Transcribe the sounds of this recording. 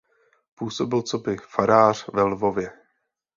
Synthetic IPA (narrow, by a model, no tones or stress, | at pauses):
puːso̞bɪlt͡so̞bɪfaɾaːr̝̥vɛlvo̞vjɛ